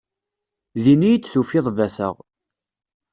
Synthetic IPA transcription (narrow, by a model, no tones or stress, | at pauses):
ðinijit͡sːθufɪðˤvæsə̰ʁ